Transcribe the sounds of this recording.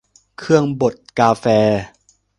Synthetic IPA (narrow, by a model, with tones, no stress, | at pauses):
kʰɯ˥˩əŋbo˨˩t̪̚kaː˧fɛː˧